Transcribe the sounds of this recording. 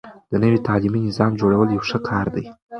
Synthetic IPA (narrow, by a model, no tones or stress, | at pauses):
d̪̥ənəwet̪ɑliminɪzɑmd͡ʒoɽawəljawʂəkʰɑɾd̪aj